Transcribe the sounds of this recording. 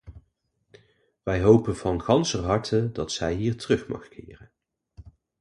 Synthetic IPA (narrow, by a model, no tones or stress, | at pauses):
ʋɛjɦowpənvɑnχɑnsərɦɑɹtʰəndɑtsɛjɦiːɹtərɵχmɑ̰χkʰɪ̰ːrən